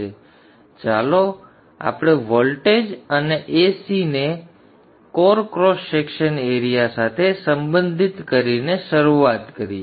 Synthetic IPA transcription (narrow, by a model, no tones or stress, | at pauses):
e | t͡ʃalo | a̰pɽ̃eʋolʈed͡ʒəneʔesine | koɾkɾosekʃəneɾijasat̪ʰesəmbə̃nd̪ʱit̪kəɾineʃəɾuat̪kəɾi